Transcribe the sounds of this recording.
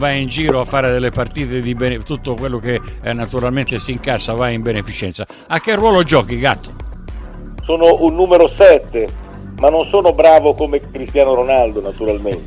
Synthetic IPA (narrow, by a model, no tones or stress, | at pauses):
vajind͡ʒiːɾoafːaːɾed̪elːepart̪iːt̪ed̪ibent̪ut̪ːokwelːok̟eɛnːat̪uɾalment̪esiŋkasavajimbenefit͡ʃɛnt̪sa | ak̟ːerːwɔːlod͡ʒɔːk̟iɡat̪ːo̥ | soːnoʔunːuːmeɾosɛt̪ːe | manːonsoːnobɾaːvokomekɾist̪jaːnoɾonald̪onat̪uɾalmennt̪